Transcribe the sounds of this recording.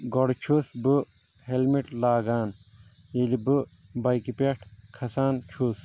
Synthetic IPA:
ɡoɽt͡ʃʰusbɨ | helmiʈlaːɡaːn | jilibɨ | bɐjkipeʈʰkʰɐsaːnt͡ʃʰus

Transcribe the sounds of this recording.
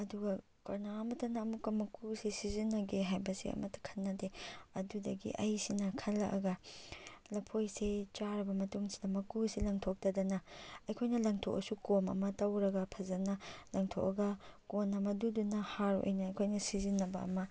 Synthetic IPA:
ɐduɡɐ | kɐɾnaɐmɐtɐnɐːmukːɐmɐkʰusisizinːɐɡeɦajbɐsḭɐ̰mɐtːɐ̥kʰɐ̥nːɐdeɐdudɐɡḭʔɐjsinɐkʰɐlːɐ̰ʔɐ̰ɡɐ | lɐpʰojset͡ʃaɾɐbɐmɐtuŋsi̥dɐmɐkusilɐŋtʰok̚tɐdɐnɐɐjkʰojnɐlɐŋtʰo̰kɐsukomɐ̰mɐtɐwɾɐɡɐpʰɐzɐnɐlɐŋtʰo̰kɐɡɐkonɐmɐdudunɐhaɾuʔo̰jnɐːjkʰojnɐsizinːɐbɐɐ̰mɐ

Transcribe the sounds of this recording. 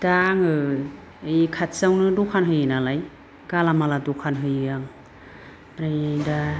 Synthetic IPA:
daŋɯ | jikʰat̚sawnɯdɔkʰanɦɯjɯnalaj | ɡ̥alamaladɔkʰanɦɯjjaŋ | ɾajjda

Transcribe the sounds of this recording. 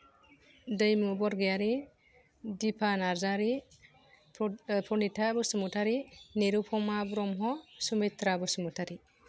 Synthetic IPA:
dɯjmubɔɾɡejaɾi | dipʰanaɾzaɾi | pʰɔnitʰabɯsumutʰaɾineɾupʰɔmabɾɔmɦɔsumet̪ɾabɔsumutʰaɾi

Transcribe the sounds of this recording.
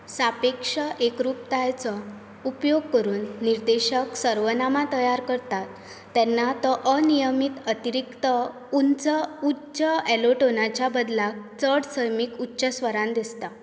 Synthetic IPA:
sapekʂəʔekɾup̚t̪ajt͡sɔ | upjoɡ̚kəɾuːnːiɾd̪eɕəksəɾʋənamat̪əjaɾkəɾt̪at̪ː | ɛnːat̪ɔʔənijəmit̪ət̪iɾikt̪ə | unt͡səutːɕəɛloʈonat͡ɕjabəd̪lak̚t͡səɽsəjmikutːɕəsʋəɾãnd̪ist̪a

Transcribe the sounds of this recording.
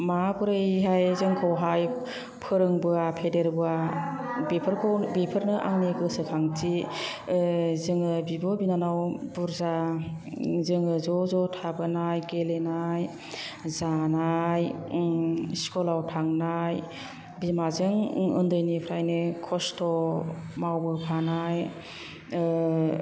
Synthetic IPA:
makuɾɯjɦajzɯŋkʰɔwɦaj | pʰɯɾɯŋbɯapʰedeɾbɯa | bipʰɯɾkʰowbipʰɯɾnɯʔa̰ŋniɡɯsɯkʰaŋtʰi | zɯŋɯbibɔbinanawbuɾza | zɯŋɯzɔzɔtʰabɯnajɡelenaj | zanaj | skɔlawtʰaŋnaj | bimazɯŋɯ̰ndɯjnipʰɾajnɯkʰɔstʰɔmawbɯpʰanaj

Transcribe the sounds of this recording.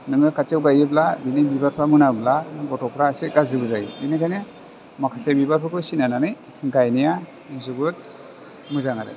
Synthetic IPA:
nɯŋɯkʰat͡ʃewɡajɯblabinebibaɾpʰamɯnablaɡɔtɔpʰɾaseɡazdibɯzajḭbinajkʰajne | makʰasebibaɾpʰakʰɯsinananɯj | ɡajnija | zuɡut̚ | mɯzaŋaɾɯ̰

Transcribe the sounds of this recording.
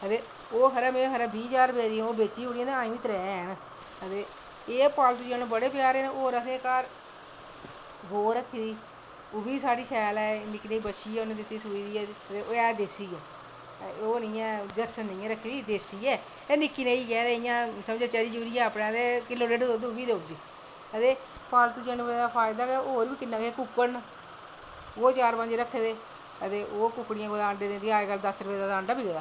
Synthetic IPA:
ət̪eː | oːɦəɾɛːmẽːɦəɾɛːbiːd͡ʒaːɾbeːd̪iːɛ̃oːbeːt͡ʃiːoːɽijãːd̪eãːĩːʋiːt̪ɾɛːn | ɦət̪eː | eːpaːlt̪ʊʃãːnõːbəɽeːpjaːɾeːnːoːɾəsẽːkaːɾ | ɡoːɾəkʰːiːd̪iː | ʊbiːsaːɽiːsɛːlɛːnɪkːneiːbəʃiːɛːonẽːd̪ɪt̪ːiːsuːiːd̪iːɛːət̪eːʔoːɛːd̪eːsiːɛː | oːniːɛ̃ːd̪əsnĩːãɾəkʰːeːd̪iːd̪eːsiːɛː | eːnɪkːiːneiːkɛːd̪eːɪjãːsəmd͡ʒaːt͡ʃɛɾiːd͡ʒuːɾijãːəpnẽːt̪eːkɪlːoːɖeɖd̪oːd̪eʊbiːd̪eoːɡ̪iː | ət̪eː | paːlt̪ũːd͡ʒənəd̪aːpʰaːɪd̪aːkɛoːɾbiːkɪnːãːkekʊkːən | oːt͡ʃaːɾpə̃ɲd͡ʒɾəkʰːeːd̪eː | ət̪eːʔoːkʊkːɽɪjãːɡoːd̪ãːɳɖeːd̪ẽːd̪eaːɡəlːd̪əsɾəpeːd̪aːd̪ãːɳɖaːbiːɡeːd̪aː

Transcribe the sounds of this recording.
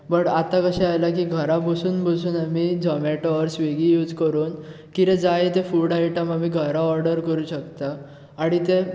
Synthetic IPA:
bəʈat̪ãkəɕɛajlakiːɡʱəɾãbʱəsuːnbʱəsuːnamid͡zɔmeʈɔɔɾsʋeɡijuːd͡zkəɾuːn | kiɾẽd͡zajet̪efuɽaiʈəmamiɡʱəɾaɔɾɖəɾkəɾuːɕəkt̪aː | ɽ̃it̪e

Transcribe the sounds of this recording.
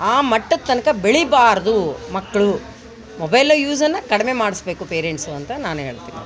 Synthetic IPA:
aːmɐʈːɐt̪ːɐnɐkɐbeɭibaːɾɐd̪umɐkːɐɭu | mobɐjlɐjuːsɐnːɐkɐɽɐme̞maːɽisbe̞ːkupeːɾeɳʈsuɐnt̪ɐnaːnuɦe̞ːɭt̪iːnḭ

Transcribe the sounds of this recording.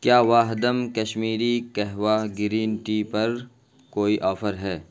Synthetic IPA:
kjaːʋaːɦd̪əmkɐʃmiːɾikɛɦʋaːɡɪɾiːnʈipɐɾ | koːiʔɔːfəɾɦɛː

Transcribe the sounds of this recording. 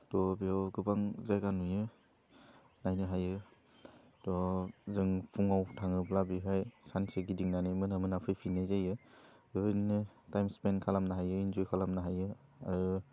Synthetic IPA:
tɔbiawɡɯbaŋzajɡanujɯ | najnɯɦajɯ | tɔzɯŋpʰuŋawtʰaŋɯplabiɦajsanseɡidiŋnanimɯnamɯnapʰɯjpʰinezajɯbiɔwinɯtajmspenkʰalamnaɦajɯinzɔjkʰalamnaɦajɯ | a̰ɾɯ

